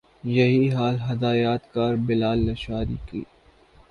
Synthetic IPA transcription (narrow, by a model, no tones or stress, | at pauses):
jɐɦiɦaːlɦɐd̪aːjaːt̪kaːɾbɪlaːlːɐʃaːɾḭkḭː